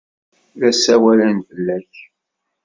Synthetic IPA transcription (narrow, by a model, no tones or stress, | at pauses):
ðæsæwælænθəlːæç